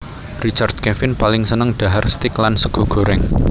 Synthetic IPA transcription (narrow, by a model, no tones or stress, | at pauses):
rit͡ʃard̪̥̚kɛfɪnpalɪŋsənəŋɖ̪̥a̤ɦarst̪ɪklansəɡ̥o̤ɡ̥o̤ɾɛŋ